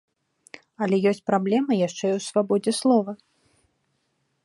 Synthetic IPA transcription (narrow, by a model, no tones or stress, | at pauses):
ɐlʲɛjɔsʲt͡sʲpɾablʲɛmɨjaʂt͡ʂɛiwsvabɔd͡zʲɛslˠɔvɐ